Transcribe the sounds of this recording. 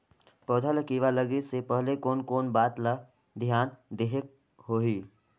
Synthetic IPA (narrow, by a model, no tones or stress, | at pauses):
pɔːd̪ʱəlkiːʋaləɡesepəɦlekoːnkoːnbaːt̪la | d̪ʱjaːnd̪eɦek | ɦoːɦiː